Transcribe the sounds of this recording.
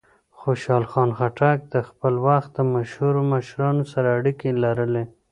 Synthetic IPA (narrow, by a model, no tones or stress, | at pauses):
xoʃɑlxɑnxaʈak̚d̪əxpəlwaxt̪̚d̪əmaʃhuɾomaʃɾɑnosaɾaːɽikelaɾəle